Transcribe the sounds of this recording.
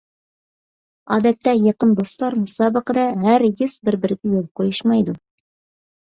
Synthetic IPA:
ɑd̪æt̪ːæjɑ̆qɤnd̪oslˠɑɾmusɑbɤ̆qɤd̪ɑɦæɾjɘsbɘ̆ɾbɘ̆ɾɡʲɘjolˠqojɤʃmɑjd̪u

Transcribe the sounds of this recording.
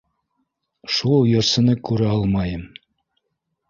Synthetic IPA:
ʃulˠjɤ̆ɾsɤ̆nɤkʉɾɘɑlˠmɑjɤm

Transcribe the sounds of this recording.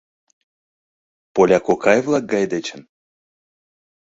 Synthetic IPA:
polʲakokajvlˠak̚ɡajd̪et͡ɕən

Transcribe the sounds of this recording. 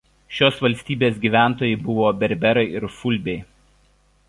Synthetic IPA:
ʃʲoːsʋɐlʲsʲt̪ʲiːbʲeːsʲɡʲiːʋʲæˑnˑt̪oːjɛɪbʊʋoːbʲɛɾʲbʲɛɾɐɪɪɾfʊlʲˑbʲɛɪ

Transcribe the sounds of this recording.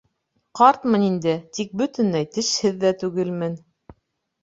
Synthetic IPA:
qɑɾt̪mɤ̆nind̪ɘt̪ik̚bɵ̆t̪ɘ̆nlæjt̪ɘ̆ʃhɘðːæt̪ʉɡɘlmɘn

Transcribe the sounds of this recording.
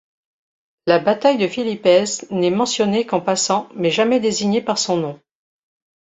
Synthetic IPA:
labat̪ajd̪əfilipɛznɛmɑ̃sjɔnekɑ̃pasɑ̃mɛʒamɛd̪eziɲepaʁsɔ̃nɔ̃

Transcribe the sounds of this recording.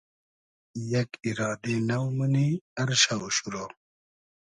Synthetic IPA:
jɐkiɾɑːd̪enɐwməniɐɾɕauɕuɾo

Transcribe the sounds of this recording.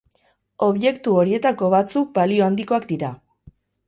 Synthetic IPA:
o̞βje̞kt̪uo̞ɾie̞t̪ako̞βat͡suk̚balio̞and̪iko̞akd̪iɾa

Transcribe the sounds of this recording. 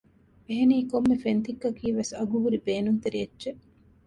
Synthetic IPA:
eɦeniːkomːefent̪ikːɐkiːʋesɐɡuɦuɾibeːnunt̪eɾijɐdːʒeʔ

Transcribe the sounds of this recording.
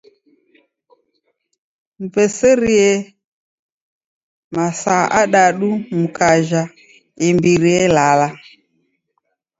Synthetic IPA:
mupɛsɛɾiɛ | masaʔaɗaɗumukaʒa | ɪmbiɾiɛlala

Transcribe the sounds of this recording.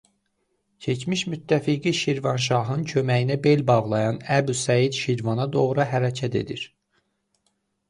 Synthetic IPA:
cʰe̞t͡ʃmiʃmyt̪ʰːæfiɡiʃiɾvɑnʃ̬ɑɦɯncʰømæjinæbe̞lbɑʁlˠɑjɑnæbusæjid̪ʃiɾvɑnɑd̪o̞ʁɾɑɦæɾæcʰæt̪ʰe̞̰d̪iɾ

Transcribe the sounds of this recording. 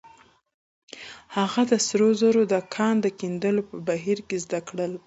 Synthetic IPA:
haɣad̪əsɾozaɾod̪əkʰɑnd̪əkind̪əlopəbaɦiɾkezd̪akɽəl

